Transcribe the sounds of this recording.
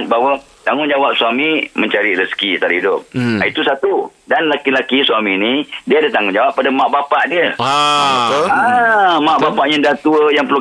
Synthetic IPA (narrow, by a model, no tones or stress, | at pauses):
n̚baɦwa | t̪aŋʊŋd͡ʒawap̚suamĩmə̃ɲt͡ʃaɾiɾəsə̥kit̪aɾahidʊp̚ait̪usat̪udanlakilakisuaminidiadat̪aŋʊnɲd͡ʒawapːadamãʔbapaʔdiə | amãʔbapaʔɲãdat̪uəjaŋpəlu